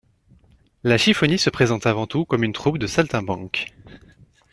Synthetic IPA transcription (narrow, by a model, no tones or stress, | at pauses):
laʃifɔnisəpχezɑ̃t̪avɑ̃t̪ukɔmynt̪χup̚d̪əsalt̪ɛ̃bɑ̃k